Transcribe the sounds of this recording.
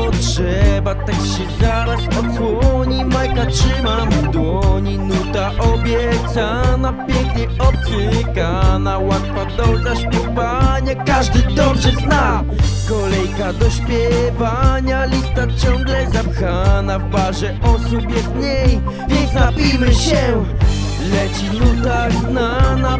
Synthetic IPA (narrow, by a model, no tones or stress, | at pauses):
ɔtʂ | ɛbat̪akɕɛzaɾat͡ɕpɔswɔɲimajkatʂɨmamd̪wɔɲinut̪aʔɔbʲjɛt̪sanapʲjɛŋkɲejɔpsɨkanawat̪fad̪ɔzaɕpʲjɛvaɲakaʐd̪ɘd̪ɔbʐɛzna | kɔlɛjkad̪ɔɕpʲjɛvaɲalʲist̪at͡ɕɔ̃ŋɡlɛzapxanavbaʐɛʔɔsubjɛd̪ɲej | vʲjɛnk̪napʲimɘɕɛ | lɛt͡ɕinut̪aznana